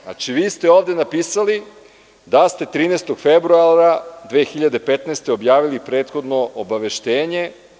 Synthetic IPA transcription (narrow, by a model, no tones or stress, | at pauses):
na̰t͡ʃiʋiːst̪e̞oːʋd̪enapiːsali | d̪ast̪e̞t̪ɾiːnest̪oɡfebɾuaɾad̪ʋeːxiʎad̪e̞pet̪nest̪e̞objaːʋilipɾe̞ːt̪xo̞d̪noʔobaʋe̞ʃt̪eːɲe̞